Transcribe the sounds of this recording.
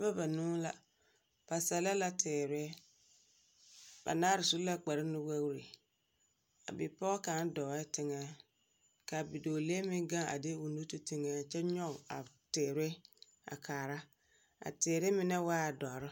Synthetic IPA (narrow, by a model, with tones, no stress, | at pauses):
ba˦ba˨nũː˦la̰˨ | b̥a˨sa˨la˦la˦tɪː˨ɾɪ˦ɛ˦ | ba̰˨naː˦ɾɪ˨su˦la˦k͡pa˨ɾɪ˦nʊ˦wa˦wɾe˨ | a̰˨bɪ˨pɔ˦kã˨˦n˦dɔ˨ɛ˦tɪ˦ŋɛ˦ | ka˨bi˨doː˨le˦mɪ̃˦ŋɡã˦a̰˨de˦u˨nu˦tu˦tɪ˦ŋa˦t͡ʃɛ˦ɲɔ˦˨a̰˨ | tɪː˨ɾɛ˦ | a̰˨kʰaː˨ɾa˦ | a̰˨tɪː˨ɾɪ˦mɪ˦nɛ˦waː˦˨dɔ˨ɾɪ˦